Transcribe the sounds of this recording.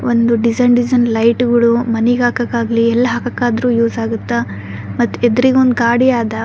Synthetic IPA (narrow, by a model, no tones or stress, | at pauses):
ond̪uɖizɐnɖizɐnlɐjʈɡɐɭumɐnɛɡaːkɐkːaːɡɐliɛlːɐɦaːkɐkːaːd̪ɾuːjuːzaːɡut̪ːa | mɐt̪ːuɛd̪ɐɾiɡeond̪uɡaːɽiaːd̪ɐ